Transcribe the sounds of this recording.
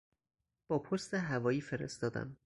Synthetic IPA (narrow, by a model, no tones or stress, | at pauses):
b̥ɒːpʰost̪eɦævɒːjiːfe̞ɾḛst̪ɒːd̪æ̰m